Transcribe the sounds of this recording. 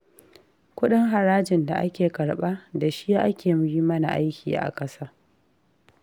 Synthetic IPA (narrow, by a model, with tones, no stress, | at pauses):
kʷʊ˦ɗɪ˦ŋɦa˨ɾaː˦d͡ʒɪ˨nda˨ʔa˦kʲeː˨kɐ˨ɽɓaː˦da˨ʃi˦ja˦ʔa˦kʲeː˨m˦ji˦mɐ˦na̰˨ʔa˦jkʲḭː˨ʔa̰˨kʼɐ˦saː˦